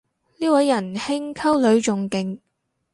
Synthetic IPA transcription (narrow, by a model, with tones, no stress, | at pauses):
niː˥wɐ˨˧jːɐ˨˩nhɪ˥ŋkʰɐ˥wlɵ˨˧ɥt͡sʊ˨ŋkɪ˨˧ŋ